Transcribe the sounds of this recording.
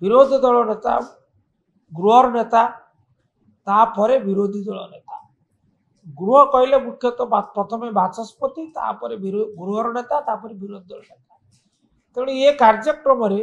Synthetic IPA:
biɾod̪ʱid̪ɔɭɔnet̪a̰ | ɡɾuɔɾɔnet̪a | t̪apɔɾebiɾod̪ʱid̪ɔɭɔ̰net̪a | ɡɾuɔkɔilemukʰjɔt̪ɔbapɾɔt̪ʰɔmebasɔspɔt̪it̪a̰pɔɾebiɡɾuɦɔɾɔnet̪at̪apɔɾebiɾod̪ʱid̪ɔɭɔnet̪ḁ | t̪eɽ̃iekaɾd͡ʒɔkɾɔmɔɾe

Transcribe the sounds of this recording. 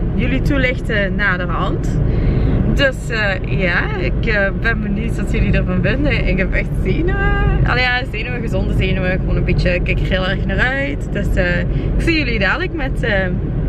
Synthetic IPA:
jəlitulɪxtənaːdərɦɑnt | døs | ə | jaː | ɪ̰kəbɛnbənytɑsjəlidəɹvɑnvɪndəʔɪɪkɦɛpɛxtzeːnəwəɑ̰ljaːzeːnəʋəɣəzɔndəzeːnəʋəɣəʋoːnənbitəkːɛkərɦɪːlˠɛɹxnaːrœɥtdøsəːɪkfijəlidaːdələkmɛtəː

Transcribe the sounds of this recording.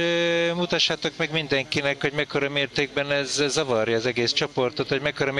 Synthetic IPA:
mut̪ɒʃːaːt̪o̞kmɛɡmind̪ɛŋkinɛkho̞ɟmɛkːo̞ɾɒmeːrt̪eːɡ̚bɛnɛzːɒvɒrjɒːzɛɡeːst͡ʃo̞po̞rt̪o̞t̪hoɟmɛkːo̞ɾɒm

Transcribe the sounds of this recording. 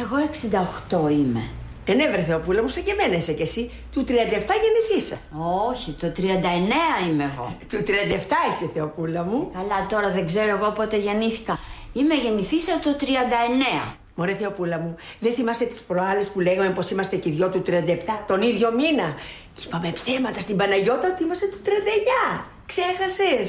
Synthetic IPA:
e̞ɣo̞e̞ksind̪ɐoxt̪o̞ime̞̰ðenevɾeθeopulɐmusɐɲɟemenesecesi | t̪ut̪ɾiɐnd̪ɐeft̪ɐʝe̞niθisɐ | oçit̪o̞t̪ɾiɐnd̪ɐe̞ne̞ɐimeːɣo̞̰t̪ut̪ɾiɐnd̪ɐeft̪ɐiseθeopulɐmukɐlɐt̪o̞ɾɐðe̞ɡze̞ɾoe̞ɣo̞pot̪eʝe̞niθi̥kɐime̞ʝe̞niθisɐt̪o̞t̪ɾiɐnd̪ɐe̞ne̞ɐ̰ | moɾeθeopulɐmuðeθimɐset̪i̥spɾoɐle̞spuleɣɐme̞po̞simɐst̪e̞ciðʝo̞t̪ut̪ɾiɐnd̪ɐept̪ɐt̪o̞niðʝo̞minɐ | ci̥pɐmepsemɐt̪ɐst̪imbɐnɐʝo̞t̪ɐθimɐset̪u̥t̪ɾiɐnd̪ɐeɲɐ | ksexɐse̞s

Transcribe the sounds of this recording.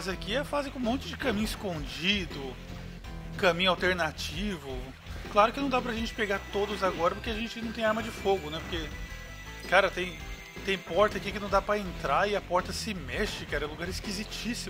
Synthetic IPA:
ɐzakiɛfazɪ̃kmõnt͡ʃʊd͡ʒɪkɐ̃mĩɲʊɪskõd͡ʒid̪ʊ | kɐ̃mĩɲʊawt̪eɾnat͡ʃivʊ | klaɾʊkɪnɐ̃w̃d̪apɾɐʒẽnt͡ʃɪ̥peɡaɾt̪od̪ʊzaɡɔɾɐpoɾkeaʒẽnt͡ʃɪnɐ̃w̃t̪ẽj̃aɾmɐd͡ʒɪfoɡʊnɛpoɾke | kaɾɐt̪ẽj̃ | t̪ẽj̃pɔɾt̪ɐkikɪnɐ̃w̃d̪apɾɐẽnt̪ɾaɪɐpɔɾt̪ɐsɪmɛʃɪkaɾɐ̃luɡaɾɪskizit͡ʃisimʊ

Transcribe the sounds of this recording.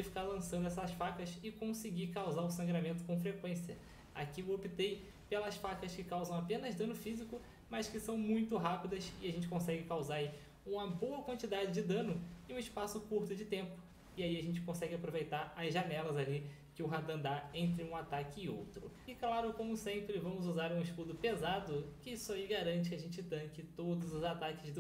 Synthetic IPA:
ɪfi̥kalɐ̃sɐ̃nd̪ʊɛsɐsfakɐsɪkõsɪɡikawzaɾʊsɐ̃ŋɡɾamẽnt̪ʊ̥kõfɾekwẽsiɐ | a̰kiopit̪ej | pelɐsfakɐskɪkawzɐ̃w̃apẽnɐzd̪ɐ̃nʊfizikʊ | mɐskɪsɐ̃w̃mũj̃t̪ʊɦapid̪ɐsɪaʒẽnt͡ʃɪ̥kõsɛɡɪkawzaɾi | ũmɐboɐkwɐ̃nt͡ʃid̪ad͡ʒɪd͡ʒɪd̪ɐ̃nʊɪũɪspasʊkuɾt̪ʊd͡ʒɪt̪ẽmpʊ̥ | ɪaiaʒẽnt͡ʃɪ̥kõsɛɡɪapɾovejt̪aɾɐzʒanɛlɐzalikɪʊɦad̪ɐ̃nd̪aẽnt̪ɾɪũat̪akɪːo̰wt̪ɾʊɪklaɾʊkõmʊsẽmpɾɪvɐ̃mʊzuzaɾũɪʃk̪ud̪ʊpezad̪ʊkɪisʊaiɡaɾɐ̃nt͡ʃɪkaʒẽnt͡ʃɪt̪ɐ̃kɪt̪od̪ʊzʊzat̪akɪzd̪ʊ

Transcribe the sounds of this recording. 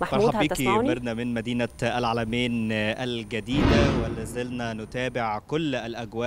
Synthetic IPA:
maɑɾħuːbiːkieɾˤnæmɪnmæd̪iːnæʔælʕaːlæmeːnʔælɡæd̪iːd̪æwælæzelnænʊt̪æːbɪʕkolːælʔæɡwæːʔ

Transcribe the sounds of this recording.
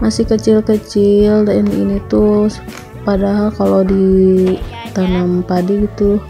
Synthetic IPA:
masɪhkət͡ʃilkət͡ʃɪldainḭnit̪u | padaɦalkalodi | t̪anampadiɡit̪u

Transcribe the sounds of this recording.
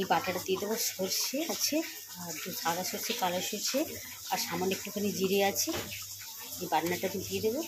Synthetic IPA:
ibaʈaʈad̪ied̪eboʃoɾʃeat͡ɕʰe | d̪ʱʰaɡaʃoɾt͡ɕʰekalaʃoɾt͡ɕʰe | aɾʃamonik̚pokʰanid͡ʑiɾeat͡ɕʰe | ebaɽnaʈat̪ud̪ied̪ebo

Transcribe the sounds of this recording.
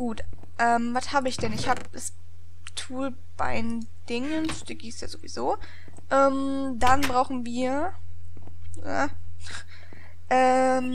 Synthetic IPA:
ɡ̥uːt | ʔɛːmvashaːbəɪçd̥ɛnɪçhaːbəd̥as | tʰuːl | b̥a̰ɪn | d̥ɪŋənsd̥ɛːɡiːstja̰ːzovḭzoː | ʔɛːm | danbʁaʊxn̩viːɐ | a̰ | ʔɛm

